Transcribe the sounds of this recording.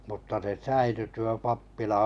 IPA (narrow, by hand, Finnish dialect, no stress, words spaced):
mutːɑ se sæily tuo pɑpːilɑ